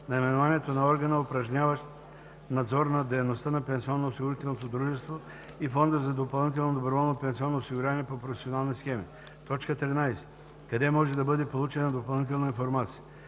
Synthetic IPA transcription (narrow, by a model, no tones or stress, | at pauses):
nɐimɛnovaniɛt̪onɐɔɾɡənəʊpɾɐʒnʲavəʃ | nɐd̪zɔɾnɐd̪ɛjnost̪ənɐpɛnsiɔnːoosiɡʊɾit̪ɛlˠnot̪od̪ɾuʒɛst̪vo | ifɔnd̪əzɐd̪opɐlˠnit̪̬ɛlˠnod̪obɾovɔlˠnopɛnsiɔnːoosiɡʊɾjavnɛpopɾofɛsionalˠnisxɛmi | t̪ɔt͡ʃkət̪ɾinajsɛ̥ | kɐd̪ɛmɔʒɛd̪ɐbɤd̪ɛpolˠut͡ʃɛnɐd̪opɐlˠnit̪ɛlˠnɐinfoɾmat̪sijə